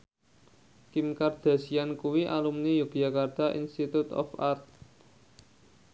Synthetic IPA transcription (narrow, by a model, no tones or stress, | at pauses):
kimkard̪̥a̤siankuwiʔalumnijuɡ̥ijakard̪̥a̤ʔḭnst̪it̪ut̪ɔ̰fart̪̚